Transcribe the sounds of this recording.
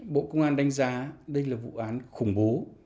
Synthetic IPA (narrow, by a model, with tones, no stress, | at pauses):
ɓo̰˧˨kə˧wŋ͡mʔaː˧nɗa˧jŋ̟zaː˨˦ɗə˧jlaː˨˩vṵ˧˨ʔaː˨˦nxʊ˨˧˩ŋ͡mɓo˨˦